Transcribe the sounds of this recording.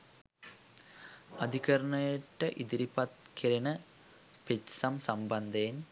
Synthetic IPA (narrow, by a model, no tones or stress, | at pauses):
ɐd̪ʱikɐɾɐɳɐjeʈːɐʔid̪iɾipɐt̪kʰiɾinɐ | pet͡ʃsɐmsɐmbɐnd̪eːn